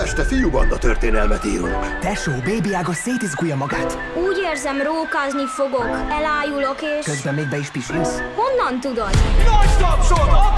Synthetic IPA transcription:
ɛʃt̪ɛfijubɒ̰nd̪ɒt̪ørt̪eːnɛlmɛt̪ḭːɾṵŋkt̪ɛʃoːbeːbiaːɡɒseːt̪izɡujɒmɒɡaːt̪ | uːɟeːrzɛmroːkaːznifo̞ɡo̞kɛlaːjulokeːʃkøzbɛmːeːɡ̚bɛiʃpiʃimsho̞nːɒnt̪ud̪od̪nɒɟt̪ɒpʃod̪o

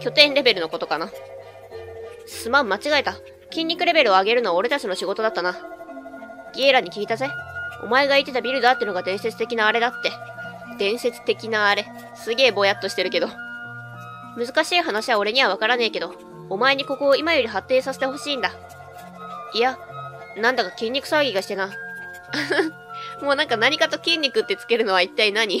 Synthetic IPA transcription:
kʲo̞t̪ẽ̞nɾe̞be̞ɾɯ̟no̞ko̞t̪o̞kana | sɨmamːat͡ɕiɡae̞t̪a | kʲĩɲʲːikɯ̟ɾe̞be̞ɾɯ̟o̞aɡe̞ɾɯno̞βao̞ɾe̞t̪at͡ɕino̞ɕiɡo̞t̪o̞d̪at̪ːana | ɡʲieɾaɲ̟ikʲiɡʲit̪azeo̞̰mae̞ɡait̪e̞t̪abʲiɾɯ̟d̪at̪ːeɯnoɡad̪ẽ̞ɰ̃se̞t͡sɨ̥t̪e̞kʲinaːɾe̞d̪at̪ːe̞ | d̪̥ẽ̞ɰ̃se̞t͡sɨ̥t̪e̞kʲinaːɾe̞ | sɨɡe̞ːbo̞jat̪ːo̞ɕi̥t̪e̞ɾɯ̟ke̞d̪o̞ | mɯ̟zɨkaɕiːɦanaɕiβao̞ɾe̞ɲ̟iβ̞aβakaɾaneike̞d̪o̞ː | mae̞ɲ̟iko̞ko̞ːimajo̞ɾʲiɦat̪ːe̞ːsase̥t̪eho̞ɕiːnd̪a | ia | nãnd̪akakʲĩɲ̟ʲːikɯ̟̥saɯɡʲiɡaɕi̥t̪e̞na | mo̞ːnãŋkanaɲ̟ikat̪o̞kʲĩɲ̟ʲːikɯ̟t̪ːe̞t͡sɨ̥ke̞ɾɯ̟no̞β̞ait̪ːainaɲ̟i

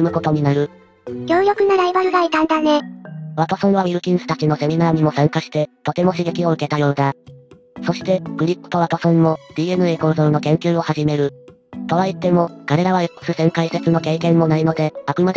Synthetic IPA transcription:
mɯ̟ko̞t̪o̞ɲ̟inaɾɯ̟ | joːjokɯ̟naɾaibaɾɯ̟ɡait̪ãnd̪ane̞βat̪o̞sõɰ̃β̞amʲiɾɯ̟kʲĩɰ̃sɨ̥t̪at͡ɕino̞se̞mʲinaːɲ̟imo̞sãŋkaɕi̥t̪e̞t̪o̞t̪e̞mo̞ɕiɡe̞kʲio̞ɯ̟ke̞t̪ajo̞ːd̪a | so̞ɕi̥t̪e̞kɯ̟ɾʲipːɯ̟̥t̪o̞βat̪osõmmo̞d̪̥ʲiːe̞nɯ̟e̞ko̞ːzoɾɯ̟no̞kẽ̞ŋkʲɨːo̞haʑime̞ɾɯ̟ | t̪o̞βait̪ːe̞mo̞kaɾe̞ɾaβ̞ajokːsɨsẽŋkaise̞t͡sɨno̞ke̞ːkẽ̞mːo̞naino̞d̪e̞akɯ̟mad̪

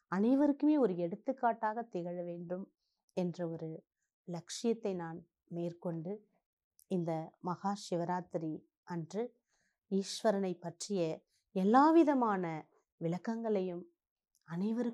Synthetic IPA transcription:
ɐnɐɪʋɐɾɯkːɯmeːɔɾɯɛɽɯt̪ːɯkːaːʈːaːɣɐt̪ːɪɣɐɻɐʋeːɳɖɯm | ɛndrɐɔɾɯ | lɐkʂɪjɐt̪ːɐɪnaːn | meːrkɔɳɖɯ | ɪnd̪ɐmɐɣaːʃɪʋɐɾaːt̪ɪɾi | ʔɐndrɯ | iːʃʋɐɾɐnɐɪpːɐʈrɪjɐ | ɛlːaːʋɪðɐmaːnɐ | ʋɪɭɐkːɐŋɡɐɭɐjɯm | ɐnɐɪʋɐɾɯ

